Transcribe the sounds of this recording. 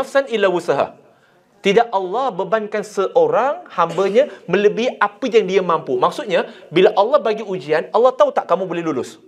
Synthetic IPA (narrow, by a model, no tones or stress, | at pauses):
afsanilawusaɦa̰ | t̪idaʔalːɑhbəbankansəʔoɾaŋhambaɲãmə̃ləbiiapəjaŋdiamãmpumaksʊt̪̚ɲa | bilaʔalːɑhbaɡiud͡ʒianalːɑht̪aut̪aʔkamũbolɛɦlulʊs